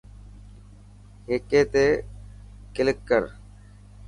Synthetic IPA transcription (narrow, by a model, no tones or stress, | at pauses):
ɦeːkeːt̪eː | kɪlɪkːəɾ